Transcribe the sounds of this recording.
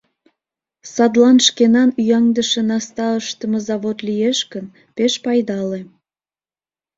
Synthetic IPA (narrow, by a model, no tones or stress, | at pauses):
sɑd̪lɑnʃkenɑnyjɑŋd̪əʃenɑst̪ɑəʃt̪ə̆məzɑβot̪lijeʃkən | peʃpɑjd̪ɑle